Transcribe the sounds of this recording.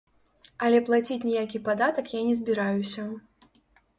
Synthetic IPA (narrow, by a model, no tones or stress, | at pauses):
ɐlʲɛplˠat͡sʲit͡sʲnʲɛjakʲipad̪at̪ɐkjanʲɛzʲbʲiɾajusʲɐ